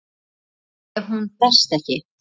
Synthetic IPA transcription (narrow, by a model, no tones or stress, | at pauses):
ɛvɦunt̪ɛr̥st̪ɛhcɪ